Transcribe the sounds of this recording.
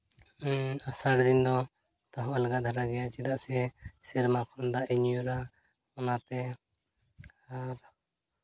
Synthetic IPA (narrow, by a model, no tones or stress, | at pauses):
asaɽd̪ind̪ɔ | t̪aɦɔ̃ʔalɡad̪ʱaɾaɡɛjat͡ʃɛd̪aʔsɛsɛɾmakʰɔnd̪aʔɛɲjuɾa | ɔnat̪ɛ | aɾ